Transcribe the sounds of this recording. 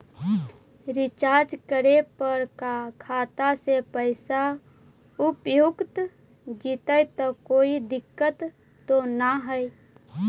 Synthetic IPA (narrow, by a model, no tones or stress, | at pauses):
ɾɪt͡ʃaːɾd͡ʒkəɾepəɾkakʰaːt̪asepəɪsa | ʊpjʊɡt̪ | d͡ʒit̪əjt̪ɔkoːid̪ɪkːət̪ː | onaɦəj